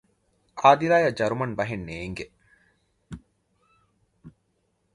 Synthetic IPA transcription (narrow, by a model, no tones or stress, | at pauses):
ʔaːd̪iɾaːjɐd͡ʒɐɾumɐnbɐɦenːeːŋɡe